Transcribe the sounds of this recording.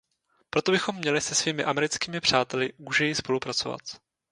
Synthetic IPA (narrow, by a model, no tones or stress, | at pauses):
pɾo̞t̪o̞bɪxo̞mːɲɛlɪsɛsviːmɪʔamɛɾɪt͡skiːmɪpr̝̥aːt̪ɛlɪɡuʒɛjɪspo̞lupɾat͡so̞va̰t̪